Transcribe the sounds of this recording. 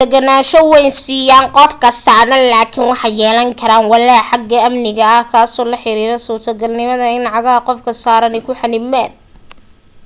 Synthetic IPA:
d̪ɛɡɐnaːʃɔwɛjnsiːjaːnqɔfkʰɐsaːnɐlaːkʰɪnwɑħɑjɛːlɐŋkʰɐɾaːnwɑlɛħɑɡːɐɐmnɪɣɐːhkʰaːsɔːlɐħɪɾiːɾɛsʊːrt̪ʰɐɡɐlnɪmɐðɐɪnʕɑɣɐɦɐqɔfkʰɐsaːɾɐnɛkʰʊħanɪmɛːd̪̚

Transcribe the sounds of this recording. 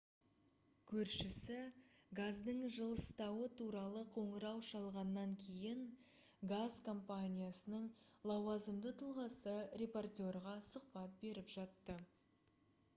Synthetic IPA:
kʲʰɵɾʃɪsɪ | ɡazd̪əɴʒəlˠəst̪ɑwət̪ʰuɾɑlˠəqʰo̞ɴəɾɑwʃɑlˠʁɑnːɑŋkʲʰe̞jɪŋ | ɡazkʰo̞mpanʲijasənəɴlˠɑwɑzəmd̪ət̪ʰʊlˠʁɑsəɾʲe̞port̪ʲo̞rʁɑsʊq̚pɑt̪̚be̞ɾɪpʒ̥ɑt̪ːə

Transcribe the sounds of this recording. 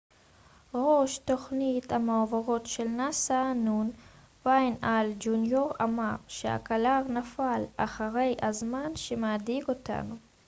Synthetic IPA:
ʁo̞ʃto̞χnithameovaʁo̞tʃelnasaːnun | vajnald͡ʒunjoʁa̰maʁʃea̰kalaʁnafala̰χaʁe̞jazmanʃemeadiɡo̞ta̰nu

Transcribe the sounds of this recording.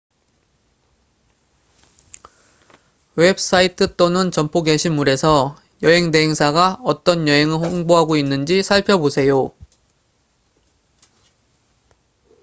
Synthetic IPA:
we̞p̚s͈aitʰɯt͈onɯnt͡ɕʌmpʰoɡeɕʰimːuɾe̞sʰʌ | jʌɦe̞ŋde̞ɦeŋsʰaɡaʌt͈ʌnjʌɦe̞ŋɯɭhoŋboɦaɡoinːɯnd͡ʑisʰaɭpʰjʌbosʰe̞jo

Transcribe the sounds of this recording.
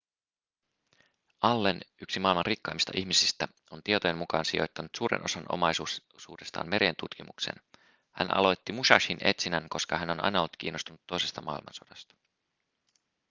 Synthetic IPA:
ʔɑlːenyksimɑːilmɑnrikːɑːmist̪ɑ̰ʔiçmisist̪æ | o̞nt̪iet̪ojemukɑːnsio̞̰jt̪ːɑnut̪suːɾe̞̰nʔo̞sɑnʔo̞̰mɑjsu | suːdest̪ɑ̰ːnme̞ɾent̪ut̪kimuksḛn | hæ̰nʔɑ̰lo̞jt̪ːimuʃɑʃinʔe̞̰t̪sinænko̞skɑɦæno̞nɑ̰jnɑo̞lt̪k̟ḭːnːost̪unut̪ːo̞jse̞st̪ɑmɑilmɑ̰nso̞dɑst̪ɑ̥

